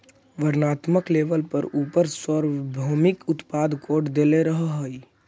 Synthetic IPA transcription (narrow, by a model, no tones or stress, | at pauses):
ʋəɾnaːt̪məkleːʋəlpəɾuːpəɾsɔɾbʱoːmɪkʊt̪paːd̪koːɾʈd̪eːleɾəɦɦoi